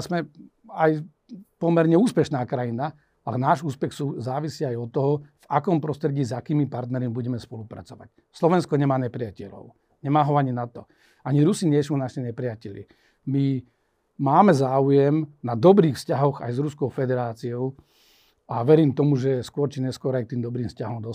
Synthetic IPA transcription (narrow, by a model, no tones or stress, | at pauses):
zmɛ | aj | pɔmɛɾɲɛuːspɛʃnaːkɾajina | alɛnaːʒuːspɛxsuːzaːʋisɪaajɔt̪ːɔɦɔv̥akɔmpɾɔst̪ɾɛɟiːzakiːmipaɾt̪nɛɾmibuɟɛmɛspɔlupɾa̰t͡sɔʋac | slɔʋɛnskɔɲɛmaːɲɛpɾɪacɛʎɔ̰ʊ | ɲɛmaːɦɔaɲinat̪ɔ | aɲiɾusiɲɛs̬uːnaʃiɲɛpɾɪacɛʎḭ | mi | maːmɛzaːujɛmnad̪ɔbɾiːxfscaɦɔɣa̰jzɾuskɔʊfɛd̪ɛɾaːt͡siɔʊ | aʋɛɾiːmt̪ɔmuʒɛskʊɔɾt͡ʃiɲɛskʊɔɾajk̚t̪iːmd̪ɔbɾiːmfscaɦɔmd̪ɔ